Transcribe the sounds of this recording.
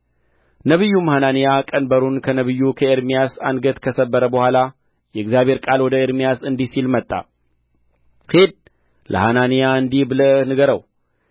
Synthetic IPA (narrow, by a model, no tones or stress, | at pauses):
nəβɨjːumhananijakʼənbəɾunkʰənəβɨjːukʰəeɾmijasanɡət̪kʰəsəbːəɾəbəhʷwala | jɛɨɡzjaβʱe̞ɾkʼalwɔd̪əeɾmijasɨnd̪isilmət̪ʼːa̰ | hed̪̚ | lə̰hananijaɨnd̪ihbɨlənɨɡəɾəw